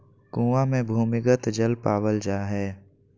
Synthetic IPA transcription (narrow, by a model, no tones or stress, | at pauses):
kũːʋamẽbʱuːmɪɡət̪d͡ʒəlpaːʋəld͡ʒaːɦɛː